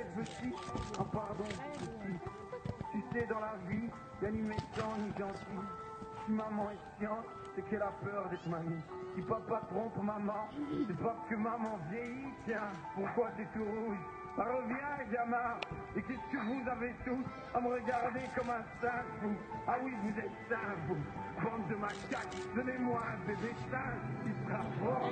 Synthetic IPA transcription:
ɛt̪əsiɑ̃paʁd̪ɔ̃tət̪i | t̪ysɛd̪ɑ̃lavi | danimɛsɑ̃niʒɑ̃t̪i | simamɑ̃ɛsjɑ̃ | sɛkɛlapœʁd̪ɛt̪χmami | kipapat̪χɔ̃pmamɑ̃sɛpaʁsə̥kəmamɑ̃vjejit̪jɛ̃ | puʁkwat̪ɛt̪uʁuʒ | baʁəvjɛ̃ɡama | ekɛsə̥kəvuzavet̪us | aməʁəɡaʁd̪ekɔmɛ̃sɛ̃puawivuzɛt̪sɛ̃pubɑ̃t̪̚d̪əmakak̪d̪ɔnemwãd̪eb̪esɛ̃kʲisəʁafɔ

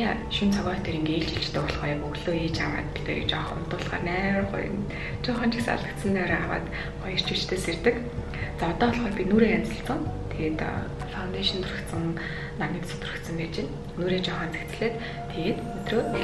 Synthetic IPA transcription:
a | ʃunt͡sʰɔɣʲɔːt̪ʰeɾʲiːŋeːɬt͡ɕiɬt͡ɕt̪ʰeːɔɮʁœːjakɵɣɮoːiːt͡ɕama̰ːt̪̚pi̥t̪ḛːɾḭkt͡ɕɔχʊ̰n̥t̪ʊːɮʁa̰ːrnæːwχʊ̰j̰n | t͡ɕɔχaːnt͡ɕɪ̥̆ksa̰ɮə̆kt̪sə̆nt̪ʰœːɾaawa̰ːt̪ | χɔjə̆r̥t͡ɕuːt͡ɕt̪ʰeːsert̪ɘ̆k | t͡saːɔt̪ɔːɮχɔːpʲinuːɾeːjant͡sə̆ɬsə̆ŋt̪ʰeɣeːt̪ | fawnt̪eʃɞ̆nt̪ʰʊrə̆kt̪sə̆ŋ | namʲĭːt̪sə̥̆t̪ʰrə̆kt̪sə̆mpeːt͡ɕen | nːuːɾeːt͡ɕʊχaːnt͡se̥kt͡sɘ̆ɮeːt̪ | t̪ʰːeɣeːt̪ɵt̪roː

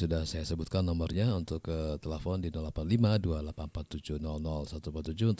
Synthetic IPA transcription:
sudahsajasəbut̪̚kanːɔmərɲaunt̪ʊkːət̪elefɔndinɔlapanlimadualapanmpat̪ːud͡ʒuhnɔlnɔlsat̪umpat̪ːud͡ʒunt̪

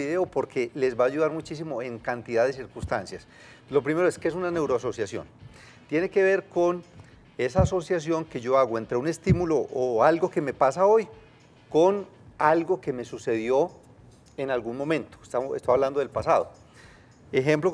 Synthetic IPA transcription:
iðeopo̞ɾke̞lezbaːʝuðaɾmut͡ʃis̬imo̞e̞ŋkant̪iðaðes̬iɾkunst̪ansjas | lo̞p̬ɾime̞ɾoeskees̬unane̞wɾoaso̞sjasjo̞̰n | t̪je̞ne̞ke̞β̞e̞ɾkon | e̞saːso̞sjas̬jo̞ŋke̞ʝo̞aɣoent̪ɾeune̞st̪imuloʔːalɡo̞ke̞me̞pasao̞j | kon | alɡo̞ke̞me̞suse̞ðjo̞ | enalɡunmõ̞mẽ̞nt̪o̥st̪aest̪ojaβland̪oðelpasaðo̞ | e̞xe̞mplo

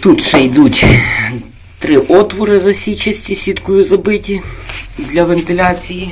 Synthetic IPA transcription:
t̪ut̪ʃɛjd̪utʲ | t̪ɾɪʔɔt̪ʋɔɾɪzɐsʲit͡ʃɐsʲtʲisʲit̪kʊjʊzɐbɪtʲid̪lʲɐʋent̪ɪlʲɑt͡sʲiji

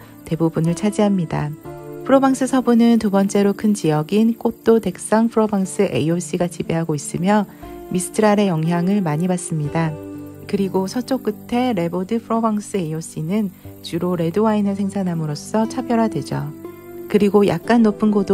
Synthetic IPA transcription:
te̞bubunɯɭt͡ɕʰad͡ʑiɦamɲida̰pʰɯɾobaŋs͈ʰɯsʰʌbunɯntubʌnt͡ɕ͈e̞ɾokʰɯnt͡ɕijʌɡink͈ot͈ote̞k̚s͈aŋpʰɯɾobaŋs͈ʰɯʔe̞̰ios͈ʰiɡat͡ɕibeɦaɡois͈ɯmjʌmisʰɯ̥tʰɯɾaɾe̞jʌŋɦjaŋɯɭmaɲibas͈ɯmɲidakɯɾiɡosʰʌt͡ɕ͈ok͈ɯtʰe̞ɾe̞bodɯpʰɯɾʌbaŋs͈ʰɯe̞ios͈ʰinɯnt͡ɕuɾoɾe̞doainɯɭsʰe̞ŋsʰanɦamɯɾos͈ʰʌt͡ɕʰabjʌɾadwe̞d͡ʑʌ̰kɯɾiɡoja̰k̚k͈anːopʰɯnɡodo

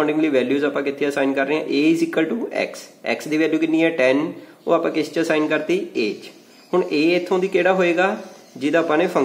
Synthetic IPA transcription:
ɳɖɪ̃ŋliːʋɛːljuːzaːpãːkɪt̪ʰːeːəsaːɪnkəɾːeːãʔeːzɪkːəlʈuːɛ̰ːksɛ̰ːksd̪iːʋɛːljuːkɪnːiːɛːʈɛːn | o̰ːapãːkɪst͡ʃəsaːɪnkəɾt̪iːeːt͡ʃ | hʊɳʔeːɪt̪ʰːõːd̪iːkeːɽaːɦoːeːɡaː | d͡ʒɪd̪aːpãːneːpʰə

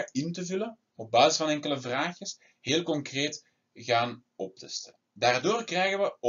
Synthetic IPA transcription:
ɪntəvʉlən | ɔb̚baːzɪsfɑnɛŋkələvraːxjəs | heːlˠkɔŋkreːt | ɣaːn | ɔp̚təstɛlədaːrdoːrkrɛjɣəʋə

